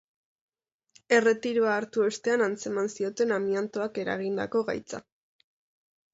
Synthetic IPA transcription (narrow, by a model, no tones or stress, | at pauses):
e̞re̞t̪iɾuaːɾt̪ue̞st̪e̞anant͡se̞mansio̞t̪e̞namiant̪oake̞ɾa̰ɣ̞ind̪a̰ko̞ɣa̰jt͡sa̰